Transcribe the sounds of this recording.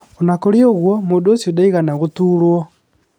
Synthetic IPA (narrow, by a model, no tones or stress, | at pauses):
onakoɾioɣwɔmodosiodaiɣanaɣotuɾwɔ